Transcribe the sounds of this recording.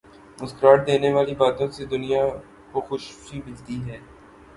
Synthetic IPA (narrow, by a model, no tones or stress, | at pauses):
ʊskəɾaːɽd̪eːneʋaːlibaːt̪õsed̪ʊnija | koxʊʃfibɪd͡ʒt̪iɦɛː